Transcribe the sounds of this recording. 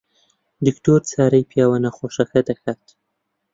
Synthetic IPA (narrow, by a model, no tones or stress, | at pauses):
d̪ɪkʈoɾt͡sɑːɾajpjɑwanaxoʃaxat̪axat̪